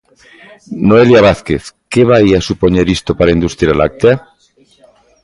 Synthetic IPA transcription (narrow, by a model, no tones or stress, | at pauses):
noeljaβaθkeθkeβajasupoɲeɾist̪opaɾaind̪ust̪ɾjala̰k̚t̪ea